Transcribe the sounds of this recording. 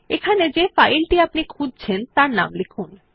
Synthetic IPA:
ekʰaned͡ʑefajlʈiapnikʰud͡ʑʱt͡ɕʰent̪aɾna̰mlekʰun

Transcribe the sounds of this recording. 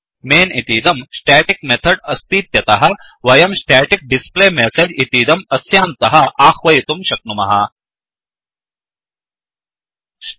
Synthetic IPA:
meːnit̪iːd̪ɐmsʈeːʈik̚met̪ʰɐɖɐst̪iːt̪jɐt̪ɐɦɐ | ʋɐjɐmsʈɛːʈik̚ɖispleːmesed͡ʒit̪iːd̪ɐmɐsjaːnt̪ɐɦɐaːxʋɐjit̪umʃɐk̚numɐ̰ɦɐ̰

